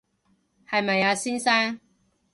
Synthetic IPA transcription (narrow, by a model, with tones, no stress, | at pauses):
hɐ˨˩jmɐ˨jaː˨˧si˥nsa˥n